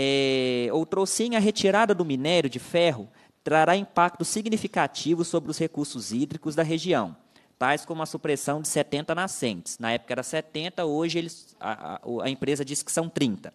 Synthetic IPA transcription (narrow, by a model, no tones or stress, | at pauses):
ɛowt̪ɾosĩɲɐɦet͡ʃiɾad̪ɐd̪ʊminɛɾʊd͡ʒɪfɛɦʊ | t̪ɾaɾaĩpak̚t̪ʊsiɡnifikat͡ʃivʊsobɾɪʊshekuɾsʊzid̪ɾikʊzd̪ɐɦeʒiɐ̰̃w̃ | t̪ajskõmũmɐsupɾesɐ̃w̃d͡ʒɪsɛt̪ẽnt̪ɐnasẽnt͡ʃɪ̥snɐɛpʊ̥kɐɛɾɐsɛt̪ẽnt̪ɐoʒɪelɪsa̰ɐ̰ẽpɾezɐd͡ʒisɪ̥kɪ̥sɐ̃w̃t̪ɾĩnt̪ɐ̥